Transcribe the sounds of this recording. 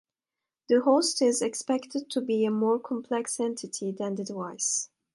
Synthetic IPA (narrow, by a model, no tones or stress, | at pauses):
ð̥əhostɪzɨkspɛktɨd̚tʰubiɨmɔɹkʰɔ̃mpʰlɛksɛ̃ntʰɨtʰiðæ̃nd̪ɨdwaɪs